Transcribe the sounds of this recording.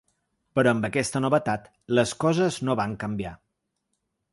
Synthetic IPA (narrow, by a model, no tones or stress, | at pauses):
pəɾɔəmbəkɛst̪ənoβət̪at̪ | ləskɔzəznoβaŋkəmbia